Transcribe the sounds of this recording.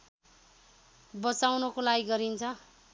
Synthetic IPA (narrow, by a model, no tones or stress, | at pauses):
bʌt͡sawnʌkolaɡiɡʌɾint͡sʰʌ